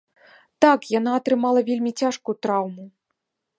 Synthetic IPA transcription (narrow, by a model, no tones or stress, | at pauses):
t̪akjan̪aːt̪ɾɨmalˠɐvʲelʲmʲit͡sʲaʂkujut̪ɾawmu